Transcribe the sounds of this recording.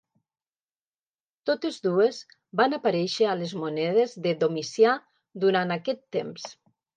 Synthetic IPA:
t̪ot̪ezðuez | banapaɾɛʃəalezmunɛð̞ezðeðomisja | d̪uɾanakɛt̪ːems

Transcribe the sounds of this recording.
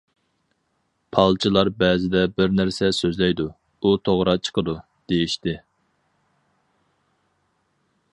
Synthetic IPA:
pʰɑlˠt͡ʃʰilˠɑɾbɛːzɪd̪ɛbɪɾnæɾsɛsøzlɛjd̪u | ut̪ʰoʁɾɑt͡ʃʰə̥qʰəd̪u | d̪̥ejiʃt̪ɪ

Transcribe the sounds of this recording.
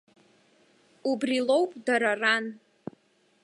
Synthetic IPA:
ubrilo̞wpʼdaɾaran

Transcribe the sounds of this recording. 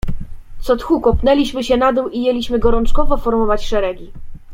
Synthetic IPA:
t̪sɔt̪xukɔpnɛlʲiɕmɘɕɛnad̪ɛwʔijelʲiɕmɘɡɔɾɔnt͡ʂkɔvɔfɔɾmɔvat͡ɕʂɛɾɛɡʲi

